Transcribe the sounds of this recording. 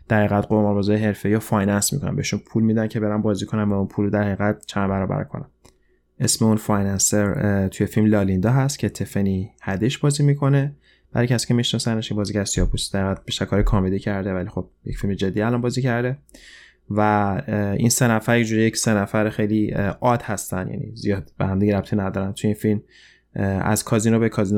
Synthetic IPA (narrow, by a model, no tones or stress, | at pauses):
d̪̥æɾhæɣæd̪̚ɢoɾmɒɾbɒːzɒːjeɦe̞ɾfe̞iːɑfɒjnænsmḭkʰo̞næ̰mbeiʃunpʰuːlmiːd̪æncʰe̞be̞ɾænbɒːziːkʰo̞næmvæunpʰuːlod̪æɾhæiɣæd̪̥̚t͡ʃʰænbæɾɒːbæ̰ɾkʰo̰næ̰m | ʔe̞smeunfɒjnænseɾt̪ʰuje̞filmlɒːlind̪ɒɦæst̪cʰe̞t̪ʰe̞fenihæd̪eʃbɒːziːmikʰo̞ne̞ | b̥æɾjkcʰæsi̥ːcʰe̞miʃnɒsæneʃibɒːziːɟæɾsiɒːpʰusi̥d̪æŋɡæd̪̚biʃt̪æɾkʰɒːɾikʰɒːmed̪icʰæɾd̪evælixo̞b̥̚jecfilmed͡ʒe̞d̪ːiːælɒnbɒːziːcʰæɾd̪e | væ | inse̞næfæɾjed͡ʒuːɾijecse̞næfæɾxe̞jliʔɒːd̪hæst̪ænjæ̰nḭzijɒːd̪̥bḛhæmd̪iɟeɾæp̚t̪ʰinæd̪ɒːɾænt̪ʰujeinfilm | æ̰z̥kʰɒːzinobekʰɒːzino